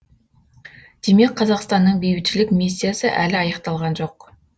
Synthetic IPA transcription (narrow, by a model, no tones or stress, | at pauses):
d̪̥e̞me̞kqʰːɑzɑqst̪ɑnːəɴbejbɪt̪ʃɪlɪkmisʲːijasəʔælɪɑjɑqt̪ɑlˠʁɑnʒo̞q